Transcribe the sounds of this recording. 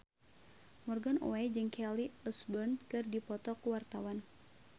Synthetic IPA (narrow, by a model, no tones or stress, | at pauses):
mɔrɡano̰ɛd͡ʒɨŋkʰɛliɔsbərnkɨrdipɔt̪ɔkuwart̪awan